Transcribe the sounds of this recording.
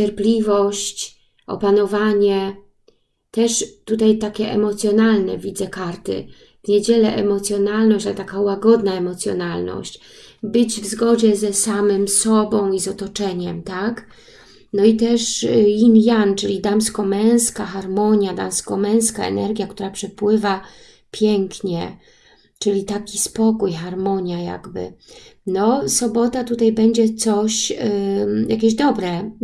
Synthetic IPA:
t͡ɕɛɾplʲivɔɕt͡ɕ | ʔɔ̰panɔvaɲɛ | t̪ɛʂt̪ut̪ajt̪akʲɛʔɛ̰mɔt̪sʲjɔnalnɛ̰vʲid̪zɛkaɾt̪ɘ̰ | vɲed͡ʑɛlɛʔɛmɔt̪sʲjɔnalnɔɕt͡ɕaɛt̪akawaɡɔd̪naɛmɔt̪sjɔ̰nalnɔ̰ɕt͡ɕ | bɘd͡ʑvzɡɔd͡ʑɛzɛsamɘmsɔbɔ̃w̃izɔt̪ɔt͡ʂɛɲɛmt̪ak | nɔit̪ɛʂinjant͡ʂɘlʲid̪amskɔmɛ̃w̃skaxaɾmɔɲjad̪amskɔmɛ̃w̃skaɛ̰nɛɾɡʲjakt̪uɾapʂɛpwɘva | pʲjɛŋkɲɛ | t͡ʂɘlʲit̪akʲispɔkujxaɾmɔɲjaja̰ɡbɘ̰nɔsɔbɔt̪at̪ut̪ajbɛɲd͡ʑɛt̪sɔɕ | jakʲɛʑd̪ɔbɾɛ

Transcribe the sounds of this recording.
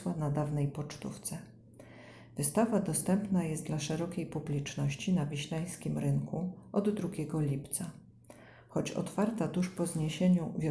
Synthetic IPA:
wanad̪avnɛjpɔt͡ʂt̪ṵft̪sɛ | vɘst̪avad̪ɔst̪ɛmpnajɛst̪d̪laʂɛɾɔkʲejpublʲit͡ʂnɔɕt͡ɕinavʲiɕlaj̃skʲimɾɘŋkuʔɔd̪ːɾuɡʲɛɡɔlʲipt̪sa | xɔt͡ɕɔ̰t̪faɾt̪at̪uʂpɔzɲeɕeɲuvʲjɔ

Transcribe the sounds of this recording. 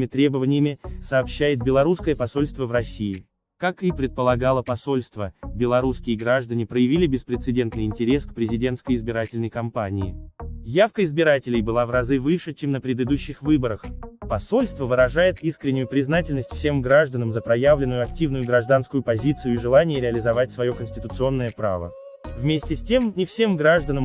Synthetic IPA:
mʲɪt̪ɾʲe̞bəvənʲɪjəmʲɪsɐːpɕːæjɪt̪̚bʲɪlˠɐɾuskəjəpɐso̞lʲst̪vəvrɐsʲijɪ | kakipɾʲɪt̪̚pəlˠɐɡalˠəpɐso̞lʲst̪vəbʲɪlˠɐɾuskʲɪjəɡɾaʐd̪ənʲɪpɾəjɪvʲilʲɪbʲɪspɾʲɪt̪sɨdʲe̞nt̪nɨjɪnʲtʲɪɾʲe̞skpɾʲɪzʲɪdʲe̞nt̪skəjɪzbʲɪɾatʲɪlʲnəjkɐmpanʲɪɪjafkəɪzbʲɪɾatʲɪlʲɪjbɨlˠavrɐzɨvɨʂɨt͡ɕemnəpɾʲɪd̪ɨd̪uɕːɪxvɨbəɾəxpɐso̞lʲst̪vəvɨɾɐʐajɪt̪iskɾʲɪnʲːʊjʊpɾʲɪznatʲɪlʲnəsʲtʲfsʲe̞mɡɾaʐd̪ənəmzəpɾɐjavlʲɪnːʊjʊɐk̚tʲivnʊjʊɡɾɐʐd̪anskʊjʊpɐzʲit̪sɨjʊiʐɨlˠanʲɪjəɾʲɪɐlʲɪzɐvatʲsvɐjo̞kənsʲtʲɪ̥t̪ʊt̪sɨo̞nːəjəpɾa̰və̰ | vmʲesʲtʲɪsʲtʲe̞mnʲɪfsʲe̞mɡɾaʐd̪ənəm

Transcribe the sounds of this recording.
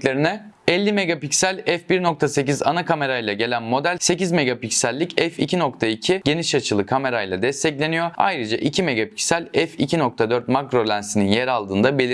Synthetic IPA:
lʲeɾinɛ | ɛlʲːime̞ɡapicsælʲɛfbiɾno̞k̚t̪ʰase̞ciza̰nakame̞ɾajlˠaɟe̞lʲænmo̞d̪ælʲse̞cizme̞ɡapicsælʲːicɛfḭcʰino̞k̚t̪ʰaicʰiɟ̥e̞niʃat͡ʃʰɯlˠɯkʰame̞ɾajlˠa̰d̪ɛst̪ʰɛclʲe̞nijo̞a̰jɾɯd͡ʒa̰ʔicʰime̞ɡapi̥csælʲɛficʰinok̚t̪ʰad̪øɾt̪̚makɾo̞lʲænsininjeɾalˠd̪ɯːnd̪abelʲi

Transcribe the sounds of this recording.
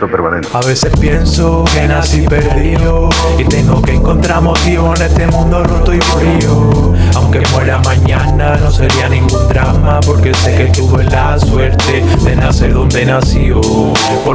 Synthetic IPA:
t̪opeɾmanẽnaβ̞e̞se̞hpje̞nsoke̞nasipe̞ɾðio | it̪e̞ŋɡoke̞ːŋko̞nt̪ɾamozβiβone̞st̪e̞mũnd̪orut̪oimuɾio | awŋkemweɾamãɲãnano̞se̞ɾianĩŋɡund̪ɾamapo̞ɾke̞se̞ke̞t̪uβoelaswe̞ɾt̪e | d̪e̞nase̞ɾðo̞nd̪e̞nasjo | po

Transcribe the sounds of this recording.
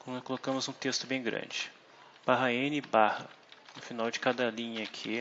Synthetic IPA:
kõnʊkolokɐ̃mʊzũt̪est̪ʊbẽj̃ɡɾɐ̰̃d͡ʒɪ | b̥aɦɐẽnɪbahɐnʊfinawd͡ʒɪkad̪ɐlĩɲɐkʰɪ

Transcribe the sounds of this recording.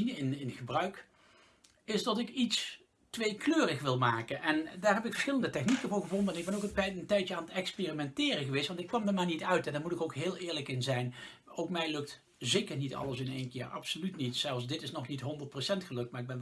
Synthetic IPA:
inəɪnɪnχəbrœɥk | ɪsdɑtɪkits | tʋejkløːrəχʋɪlˠmaːkənʔɛndaːɹɦɛpɪkfəɹsχɪləndətɛχnikənvʊːχəvɔndəɛnɪɡ̚bɛnowkəntkɛjtəntɛjtjəaːnətɛkspeːrimɛntɪːrəɣəʋejstʋɑntɪkʋɑmdəmaːnitœɥtɛndaɹmutɪkowkɦɪːlˠɪːɹləkɪnzɛjn | owkmɛjlɵkt | zejkəɹnitɑ̰ləsɪnejnkɪ̰ːɹɑ̰psolytnitsɛlˠfsdɪtɪsnɔχnitɦɔndərt̚prosɛntχəlɵk̚tmaːɹɪɡ̚bɛn

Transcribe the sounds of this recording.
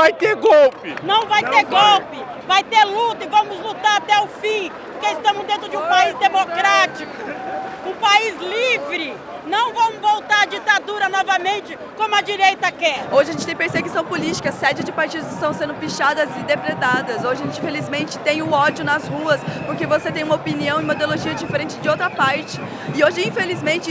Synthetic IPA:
vajt̪eɾɡɔwpɪnɐ̃w̃vajt̪eɾɡɔwpɪ | vajt̪eɾlut̪ɐɪvɐ̃mʊzlut̪aɾat̪ɛʊfĩpoɾkeɪst̪ɐ̃mʊzd̪ẽnt̪ɾʊd͡ʒɪũpaizd̪emokɾat͡ʃikʊʊ̃paizlivɾɪ | nɐ̃w̃vɐ̃w̃ʊvowt̪aɾɐd͡ʒit̪ad̪uɾɐnɔvɐmẽnt͡ʃɪ | kõmʊɐd͡ʒiɾejt̪ɐkɛoʒɪɐʒẽt͡ʃɪt̪ẽj̃peɾseɡusɐ̃w̃polit͡ʃi̥kɐsɛd͡ʒɪd͡ʒɪpaɾt͡ʃid̪ʊzɪst̪ɐ̃w̃sẽnd̪ʊfiʃad̪ɐzɪd̪epɾet̪ad̪ɐzoʒɪɐʒẽt͡ʃĩfelizmẽnt͡ʃɪ̥t̪ẽj̃ʊɔd͡ʒʊnɐzhuɐspoɾkevoset̪ẽj̃ũmɐopiniɐ̃w̃ɪ̃ũmɐd̪oloʒiɐd͡ʒifeɾẽnt͡ʃɪd͡ʒɪowt̪ɾɐpaɾt͡ʃɪ̥ | ɪoʒɪĩfelizmẽnt͡ʃɪ

